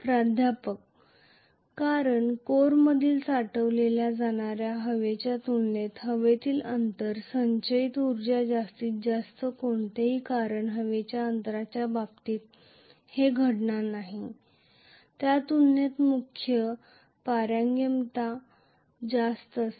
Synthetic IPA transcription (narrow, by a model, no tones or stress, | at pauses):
pɾad̪ʱjapək | kːaɾəɳkoɾməd̪ʱiːlsaʈəʋleljad͡zaɽ̃aɾjaɦəʋet͡ɕjat̪unːet̪ɦəʋet̪iːlənt̪əɾsəɲt͡ɕəit̪uɾd͡ʑad͡zast̪iːt̪̚d͡zast̪əkoɳt̪eɦiːkaɾəɳɦəʋet͡ɕjaənt̪ɾat͡ɕjabab̚t̪iːt̪̚ | heɡʱəʈɳanaɦi | t̪jat̪unːet̪mukʰjə | paɾjaŋɡjəmt̪a | d͡zast̪əs